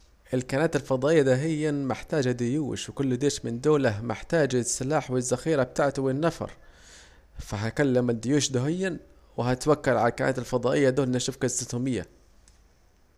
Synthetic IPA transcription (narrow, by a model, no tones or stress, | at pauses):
ʔɪlkanaːt̪ɪlfɑd̪ˤɑːʔɪjːad̪aːɦɪjːamɪħt̪aːd͡ʒad̪ɪjuːʃwɪkʊlːd̪eːʃmɪnd̪oːlaɦmɪħt̪aːd͡ʒsːɪlaːħwɪzːaxiːɾab̚t̪aʕt̪wɪnːafɑ̰ɾˤ | faɦakalːamɪd̪ɪjuːʃd̪ʊɦɪjːan | wɪɦat̪wakːalʕalalkanʔa̰ːt̪alfɑd̪ˤɑːʔɪjːad̪oːlʔɪnaʃʊfkasɪt̪uːmɪjːa̰